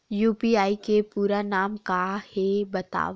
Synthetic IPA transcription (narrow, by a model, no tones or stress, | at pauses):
juːpiaːikepuːɾanaːmkahebɐt̪a̰ːʋ